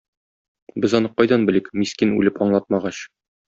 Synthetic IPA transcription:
bɘzɒnɤqɒjd̪ɑnbɘ̆lɘkmiskinʉlɘpɒɴlˠɑt̪̚mɑʁɑɕ

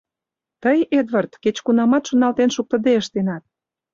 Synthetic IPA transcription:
t̪əjed̪βɑrt̪ket͡ɕkunɑmɑt̪ʃŏnɑlt̪enʃuk̚t̪ə̆d̪eəʃt̪enɑt̪̚

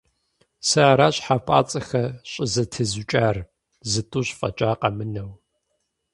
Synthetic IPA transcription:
sɐːɾaːɕħapʰʼa̰ːt͡sʼɐxɐɕʼɪzɐtʰɨzut͡ʃʼaːr | zɨtʼuːɕfʼɐ̰t͡ʃʼaːqɐmɨnɐw

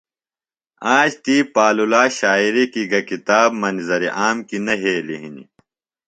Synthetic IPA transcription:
ãːɕt̪iːpaːlulaːɕaːiɾikiɡɐkit̪aːbmɐnzɐɾiʔaːmkinɐɦeːliɦinḭ

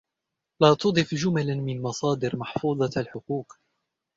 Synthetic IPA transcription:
laːt̪ʊd̪ˤɨfd͡ʒʊmalamɪnmɑsˤɑːd̪ɪɾmɑħfuːd̪ˤɑalħʊquːq

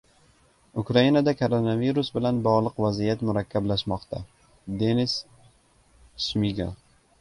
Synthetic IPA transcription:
ʊkɾainad̪akʰoɾonaviɾʊsbɪlanbɒʁlˠɨqvazijat̪mʊɾakʲʰːablaʃmɒqt̪ʰa̰ | d̪e̞nɪs | ʃmiɡa̰

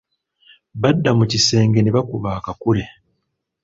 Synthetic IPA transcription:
βadːamucise̞ːŋɡe̞neβakuβaːkakule̞

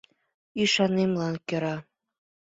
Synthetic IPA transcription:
iʃɑnemlɑnkɤ̆ɾɑ

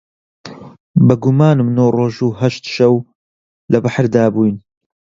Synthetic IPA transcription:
bɨɡumaːnɨmnoːroːʒuːɦɐʃt̪ʃɐw | lɐbaħɾd̪aːbuːjn

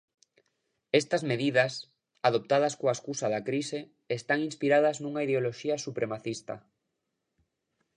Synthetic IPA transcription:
est̪ɐzmeðiðɐs | aðop̚t̪að̞ɐskoaeskusaðɐkɾise | est̪aŋinspiɾaðɐznuŋaiðeoloʃiɐsupɾemaθist̪ɐ̰

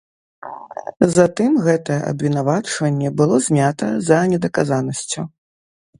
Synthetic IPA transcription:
zat̪ɨmɣɛt̪ɐjɛʔɐ̰bvʲinavat͡ʂvɐnʲːɛbɨlˠɔzʲmʲat̪ɐzɐnʲɛd̪ɐkazanɐsʲt͡sʲu

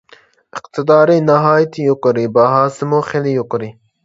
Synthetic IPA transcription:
ɪqt̪ɪd̪ɑːɾinaɦɑːjt̪ʰijukɾibaɦaːsimoːχelijukɾi

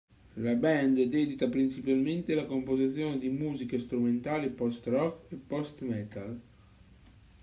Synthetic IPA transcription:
labɛnd̪d̪ɛd̪it̪apɾint͡ʃipalment̪elakompozit̪sːjoːned̪imuːzikest̪ɾument̪aːlipɔst̪rɔkepːɔst̪mɛt̪al

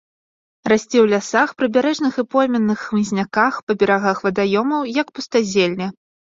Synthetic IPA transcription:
rasʲt͡sʲɛwlʲasaxpɾɨbʲaɾɛʐnɨxɨpɔjmʲɛnːɨxːmɨzʲnʲakaxpɐbʲɛɾaɣaxvɐd̪ajɔmɐwjɐkpust̪azʲelʲnʲɛ

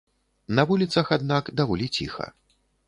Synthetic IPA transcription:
nɐvulʲit̪sɐxad̪nakd̪avɔlʲit͡sʲḭxɐ̰

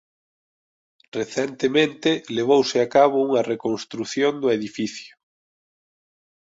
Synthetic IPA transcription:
reθɛnt̪emẽnt̪ɪleβowsɪakaβ̞ʊuŋɐrekõnst̪ɾuθjond̪ʊeðifiθjʊ

